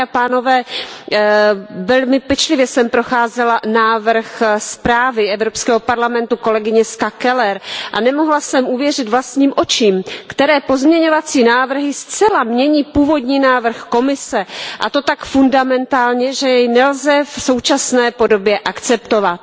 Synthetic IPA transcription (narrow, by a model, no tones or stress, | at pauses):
apaːno̞vɛː | vɛlmɪpɛt͡ʃlɪvjɛsɛmpɾo̞xaːzɛlanaːvr̩xspɾaːvɪʔɛvɾopskɛːɦo̞paɾlamɛnt̪uko̞lɛɡɪɲɛskakɛlɛɾʔa̰nɛmoɦlasɛmʔuvjɛr̝ɪt̪vlast̪ɲiːmʔo̞t͡ʃiːmkt̪ɛɾɛːpo̞zmɲɛɲo̞vat͡siːnaːvr̩ɦɪst͡sɛlamɲɛɲiːpuːvo̞dɲiːnaːvr̩xko̞mɪsɛʔat̪o̞t̪akfundamɛnt̪aːlɲɛʒɛjɛjnɛlzɛfso̞wt͡ʃasnɛːpo̞do̞bjɛʔakt͡sɛp̚t̪ovat̪̚